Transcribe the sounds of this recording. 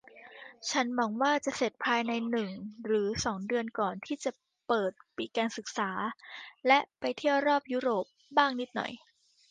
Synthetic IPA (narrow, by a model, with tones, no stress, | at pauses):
t͡ɕʰa˦˥nmɔː˧ŋwaː˥˩t͡ɕa˨˩se˨˩t̪̚pʰaː˧jna˧jnɯ˨˩ŋɾɯː˩˦sɔː˩˦ŋdɯ˧ənkɔː˨˩nt̪ʰiː˥˩t͡ɕa˨˩ | pɤː˨˩t̪̚pi˨˩kaː˧nsɯ˨˩k̚saː˩˦lɛ˦˥ʔpa˧jt̪ʰi˥˩əwɾɔː˥˩p̚juː˦˥ɾoː˨˩p̚baː˥˩ŋni˦˥t̪̚nɔ̰˨˩j